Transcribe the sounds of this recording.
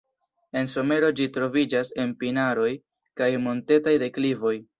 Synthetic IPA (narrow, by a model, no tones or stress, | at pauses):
e̞nso̞me̞ɾo̞d͡ʒitɾo̞vid͡ʒase̞npinaɾo̞j | kajmo̞nte̞tajde̞klivo̞j